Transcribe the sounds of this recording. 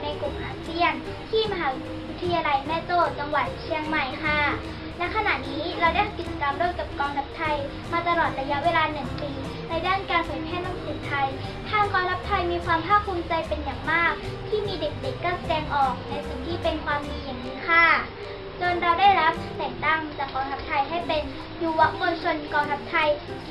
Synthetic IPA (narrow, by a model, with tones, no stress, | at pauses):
na˧jkɾu˨˩mʔaː˧si˥˩ən | t̪ʰiː˥˩ma˧ɦaː˩˦ | wi˦˥t̪ʰːa˧jaː˧la˧jmɛː˥˩t͡ɕoː˥˩t͡ɕa˧ŋwa˨˩t̪̚t͡ɕʰi˧əŋma˨˩jkʰa˥˩ | lɛ˦˥kʰa˧na˨˩ʔ̚niː˦˥ɾa˧wda˥˩jhʰa˧˥pki˨˩t̪̚t͡ɕa˧ka˧mdu˥˩əjka˨˩p̚kɔː˧ŋɾa˦˥p̚t̪ʰa˧j | maː˧t̪a˧lɔː˨˩t̪̚ɾa˧ja˦˥ʔweː˧laː˧nɯ˨˩ŋt̪iː˧ | na˧jdaː˥˩nkaː˧npʰɔ˨˩˦jpʰɛː˥˩na˥˩ŋsʰɯː˧˩t̪ʰa˧j | t̪ʰaː˧ŋkɔː˧ŋt̪ʰa˦˥p̚t̪ʰa˧jmiː˧kʰwaː˧mpʰaː˥˩pʰuː˧mt͡ɕa˧jpe˧njaː˨˩ŋmaː˥˩k̚t̪ʰiː˥˩miː˧de˨˩k̚de˨˩kːa˥˩sa˧dɛː˧ŋʔɔː˨˩k̚na˧jsi˨˩ŋt̪ʰiː˥˩pe˧nkʰwaː˧mːiː˧ja˨˩ŋniː˧˥kʰaː˥˩ | t͡ɕoː˧nɾa˧wdaː˥˩jɾa˦˥p̚t̪ɛː˨˩ŋ̚t̪a˥˩ŋt͡ɕaː˨˩kːɔː˧ŋt̪ʰa˦˥p̚t̪ʰa˧jɦa˥˩jpe˧n | juː˧wa˦˥ʔko˧nt͡ɕʰo˧nkɔː˧ŋt̪ʰa˦˥p̚t̪ʰa˧j